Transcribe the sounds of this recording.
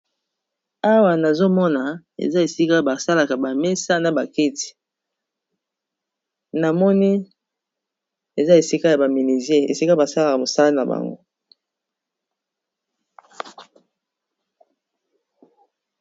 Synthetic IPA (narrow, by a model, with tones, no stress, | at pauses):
a˦wa˨na˨zo˦mɔ˦na˨ | ḛ˨za˦e˨si˦ka˦˨ba˨sa˦la˨ka˨ba˨me˦sa˦na˨ba˨ke˦ti̥˨ | na˨mɔ˦ni˦ | e˨za˦e˨si˦ka˦ja˨ba˨mi˨ni˨zje˦ḛ˨si˦ka˦ba˨sa˦la˨ka˨mo˨sa˦la˦na˨ba̰˨ŋɡo˦